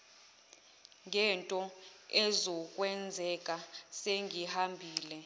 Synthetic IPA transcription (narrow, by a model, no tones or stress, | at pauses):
ŋʱɛntʼɔɛzɔk̬ʼwɛnd͡zʱɛk̬ʼaseŋihambʱiːlɛ